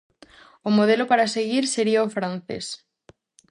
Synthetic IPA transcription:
omoðelopaɾaseɣiɾseɾiaofɾan̟θḛs

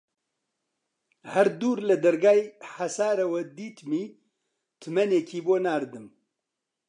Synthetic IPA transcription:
hɐɾd̪uːɾlɨd̪ɐɾɡaːjħasaːɾɐwɛd̪iːt̪miː | t̪ʰɨmɛneːkʰiːboːnaːɾd̪ɨm

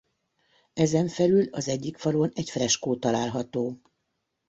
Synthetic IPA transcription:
ɛzɛɱfɛlylɒzɛɟːikfɒɾoːnɛcfrɛʃkoːt̪ɒlaːlɦɒt̪oː

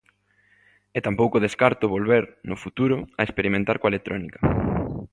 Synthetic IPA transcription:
et̪ampowkʊðeskaɾt̪ʊβolβeɾnʊfut̪uɾʊaespeɾimẽnt̪aɾkwaelek̚t̪ɾɔnikɐ̥

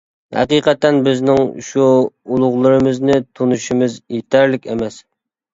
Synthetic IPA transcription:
hæ̰qiqɛt̪ːɛnbɪznɪŋʃuulˠʊʁlˠɨɾɨmɨznɪt̪ʰunuʃimɪzjet̪ʰæɾlɪkʲḛmɛs

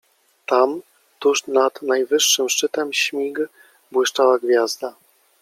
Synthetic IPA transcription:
t̪am | t̪uʂnad̪najvɘʂːɘmʂt͡ʂɘt̪ɛmɕmʲiɡ | bwɘʂt͡ʂawaɡvʲjazd̪a

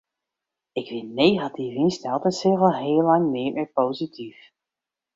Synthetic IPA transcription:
ɪkʋɪnejχɑtivɪnstɛlˠtənsɪrəlˠɦeːlːɑŋmɪːmɛpowzitʰif

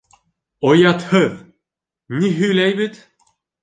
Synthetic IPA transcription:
ojɑt̪hɤ | nʲiɦyjlæjbit̪

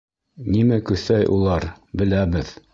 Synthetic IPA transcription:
nimækɵθæjʔulˠɑɾ | bɘ̆læbɘð

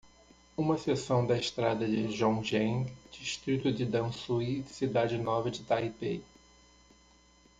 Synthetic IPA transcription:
ũmɐsesɐ̃w̃d̪ɐɪʃt̪ɾad̪ɐd͡ʒɪʒõw̃ʒẽd͡ʒiʃt̪ɾit̪ʊd͡ʒɪd̪ɐ̃susid̪ad͡ʒɪnɔvɐd͡ʒɪt̪aipe

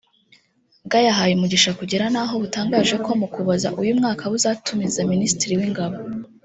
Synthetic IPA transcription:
b̚ɡajaɦajumuɟiʃakuɟiɾanaːɦo̞βutaːŋɡaːʒe̞ko̞mukuβaza̰ʔujumŋaːkʰaβuzaːtumizaministiɾiwiŋɡaβo

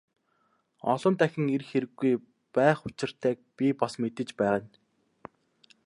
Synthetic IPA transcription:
ɔ̰ɮɞ̆nt̪æxʲɪ̆ŋerxeɾɘ̆ɡːuj | pæːχʊt͡ɕɪ̆r̥t̪ʰæːk̚pʲipasmet̪ɘ̆t͡ɕpæːʁə̆n

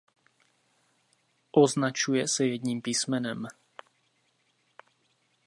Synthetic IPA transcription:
ʔɔznat͡ʃujɛsajɛd̪niːmpiːsmɛnɔm

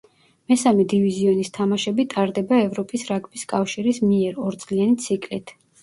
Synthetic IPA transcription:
mɛsamɛd̪iviziɔnist̪ʰamaʃɛbit̪ʼaɾd̪ɛbaɛvɾɔpʼisɾaɡʼbiskʼafʃiɾismiɛɾɔɾt̪sʼlianit̪sʰikʼlit̪ʰ

